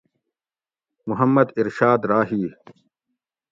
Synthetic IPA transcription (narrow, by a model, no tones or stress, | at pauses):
mʊɦɐmːɐd̪iɾʃaːd̪ɾaːɦiː